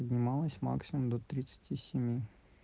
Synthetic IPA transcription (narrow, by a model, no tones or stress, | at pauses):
ədʲnʲɪmɑlˠəsʲma̰ksʲɪmʊmd̪ɔt̪ɾʲɪt̪sə̥tʲisʲɪmʲi